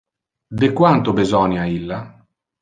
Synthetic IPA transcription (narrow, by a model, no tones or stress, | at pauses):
d̪ekwant̪ʊbezɔnjailːa